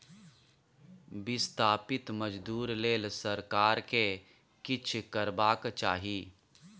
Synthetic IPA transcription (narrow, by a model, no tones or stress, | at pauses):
bɪst̪ʰaːpɪt̪məd͡ʒd̪uːɾleːlsɐɾkaːɾke | kɪt͡ʃʰkəɾbaːkt͡ʃaːɦiː